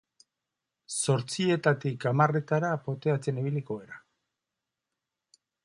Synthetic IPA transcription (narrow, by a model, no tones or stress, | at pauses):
so̞ɾt͡sie̞t̪at̪ikamare̞t̪aɾapo̞t̪e̞at͡se̞niβiliko̞e̞ɾa